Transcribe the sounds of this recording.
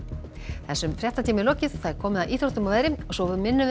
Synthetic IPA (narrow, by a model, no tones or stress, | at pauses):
θɛsːʏmfɾjɛht̪at̪ʰiːmɪlɔːcɪð̥θaðɛɾ̥kʰɔːmɪðawʔiːt̪ɾowt̪ʏmɔvɛːðɾɪɔɣsɔvmɪnːʏ